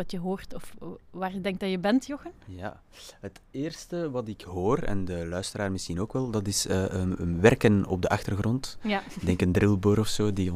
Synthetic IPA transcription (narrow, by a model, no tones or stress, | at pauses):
ɑtjəɦoːrtɔfʋaːrədɛŋk̚dɑjəbɛntjɔxənja̰ː | ɦətɪːrstəʋɑtɪkɦoːrɛ̰ndəlœɥstəɾaːrmɪsxinoːkʋɛlˠdɑtɪsəːəənʋɛrkənɔ̰b̚dəʔɑxtərɣrɔntdɛŋkəndrɪlˠbøːɾɔfsoːdiɔ